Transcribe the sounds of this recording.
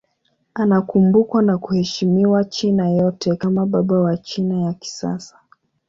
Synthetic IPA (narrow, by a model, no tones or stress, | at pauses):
anakumbukwanakuhɛʃimiwat͡ʃinajɔtʰɛkamaɓaɓawat͡ʃinajaki̥sa̰sḁ